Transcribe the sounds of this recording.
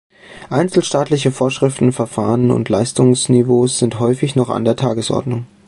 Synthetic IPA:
ʔaɪnt͡sl̩ʃtaːtlɪçəfoːɐʃʁ̥ɪftn̩fɛɐfa̰ːʁənʊ̰ntʰlaɪstʊŋsnivoːsz̥ɪntɦɔʏfɪçnɔχa̰ndeːɐtʰaːɡəsʔɔ̰ɐdnʊŋ

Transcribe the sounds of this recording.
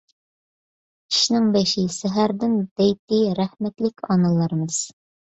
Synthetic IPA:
ĭ̥ʃnɘŋbæʃisæɦæɾd̪ɘnd̪̥æjt̪iɾæhmæt̪lɘkɒnɑlˠɑɾmɤz̥

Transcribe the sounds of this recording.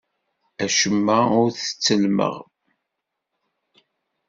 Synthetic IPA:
æʃəmːæʊɾθə̥t͡sːəlmə̰ʁ

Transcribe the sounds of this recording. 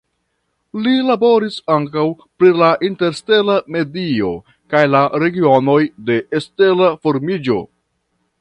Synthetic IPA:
lilabo̞ɾisaŋkaw | pɾilaʔinte̞ɾste̞lame̞dio̞ | kajlaɾe̞ɡio̞no̞jde̞ʔeste̞lafo̞ɾmid͡ʒo̞̰

